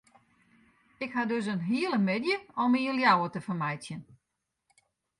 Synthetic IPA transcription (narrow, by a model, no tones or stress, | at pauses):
ɪkhadøs̬ənɦiəlˠəmɪdjəɔmiəljawətəfərmajtt͡sjən